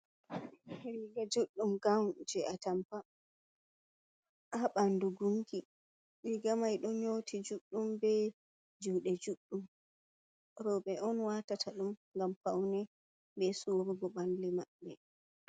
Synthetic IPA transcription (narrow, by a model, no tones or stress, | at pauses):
hɾiɡad͡ʒuɗːumɡawd͡ʒɛʔatampa | ʔaɓanduɡuŋki | ɗiɡamajɗɔɲotʰid͡ʒuɗːumbɛ | d͡ʒuːɗɛd͡ʒuɗːum | ɾɔɓɛɔnwatatʰaɗumŋɡamfawnɛ | bɛsuɾuɡɔɓanlimaɓːɛ